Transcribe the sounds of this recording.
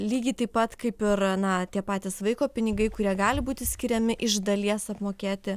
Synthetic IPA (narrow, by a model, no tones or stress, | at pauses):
lʲiːɡʲɪt̪ɐɪpːɐt̪kɐɪpɪrnɐt̪ʲiɛpɑːt̪ʲiːsʋɐɪkoːpʲɪnʲɪɡɐɪkʊɾʲiɛɡɑːlʲɪbuːt̪ʲɪsʲkʲɪɾʲɛmʲɪʔɪʒd̪ɐlʲiɛsɐpmoːkʲeːt̪ʲɪ